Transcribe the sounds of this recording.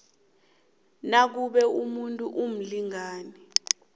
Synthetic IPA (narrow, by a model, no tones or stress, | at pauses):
nak̬uɓɛumuntʼuʔum̩liŋaːni